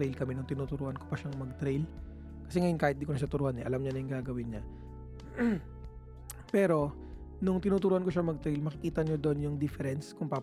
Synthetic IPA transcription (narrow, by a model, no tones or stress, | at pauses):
ɾejlkɐmɛnʊŋt̪ɪnuːt̪ʊɾuːʔɐnkopɐʃaŋmɐɡ̚t̪ɾɛjl | kɐ̥sɛŋɐjonkaːhɪt̪̚d̪iːkonɐʃat̪ʊɾuːhanɛ̰ʔɐlamɲanɐjʊŋɡaːɡɐwɪnɲa | pɛːɾo̞ | nʊŋt̪ɪnuːt̪ʊɾuːʔɐnkoʃaŋmɐɡ̚t̪ɾejlmɐkɪkiːt̪ɐɲod̪oʔonjʊŋd̪ɪfɛɾɛnskʊŋpaː